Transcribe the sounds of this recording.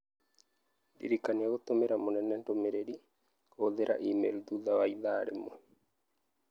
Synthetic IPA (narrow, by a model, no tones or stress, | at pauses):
dḭɾikaniaɣot̪omeɾamonɛnːɛndomeɾeɗi | oðeɾʔa̰ʔimḛld̪uðawaiðaɾḛmo